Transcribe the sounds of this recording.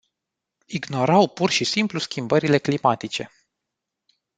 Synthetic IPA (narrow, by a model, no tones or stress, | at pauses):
iɡno̞ɾawpurʃisimpluskʲimbəɾile̞klimat̪it͡ʃe̞̰